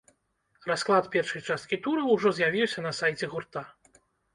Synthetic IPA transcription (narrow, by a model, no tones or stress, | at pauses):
rasklˠat̪pʲɛrʂɐjt͡ʂast̪kʲit̪uɾɐwʐɔzʲjavʲiwsʲɐnɐsajt͡sʲɛɣurt̪a